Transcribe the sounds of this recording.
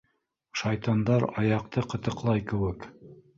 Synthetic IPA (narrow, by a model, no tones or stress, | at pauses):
ʃɑjt̪ɑnd̪ɑɾɑjɑq̚t̪ɤqɤ̆t̪ɤ̆qlˠɑjkɘ̆wɘk